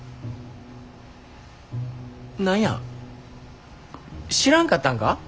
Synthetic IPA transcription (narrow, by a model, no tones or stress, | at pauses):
nãjã̰ | ɕiɾãŋkat̪ãŋka